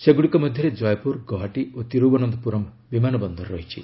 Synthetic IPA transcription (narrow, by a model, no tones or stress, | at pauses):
seɡuɽikɔmɔd̪ʱjɔɾed͡ʒɔjpuɾɡɔɦaʈiot̪iɾubɔnɔnd̪ɔpuɾɔm | bimanɔbɔnd̪ʱɔɾɾɔɦit͡ʃʰḭ